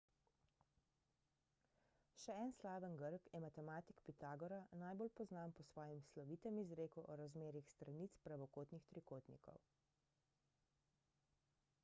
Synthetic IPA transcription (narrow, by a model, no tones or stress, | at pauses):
ʃɛɛnslaːʋənɡəɾkjɛmat̪ɛmaːt̪ikpit̪aːɡɔɾanaːjboːlpɔznaːmpɔsʋɔːjimslɔʋit̪ɛmizɾeːkuʔɔɾazmeːɾixst̪ɾanit̪spɾaʋɔkoːt̪nixt̪ɾikoːt̪nḭkɔ̰w